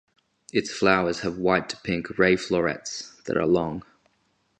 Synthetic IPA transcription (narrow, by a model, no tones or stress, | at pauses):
ɪtsflaʊəz̥əvwaɪʔtʰə̥pʰɪ̃ŋkɹeɪflɔɹɛ̰tsðə̰ɾə̰lɒ̃ŋ